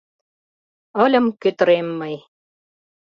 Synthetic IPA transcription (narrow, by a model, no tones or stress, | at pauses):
ə̆lʲɤ̆mkøt̪̆ɾemːəj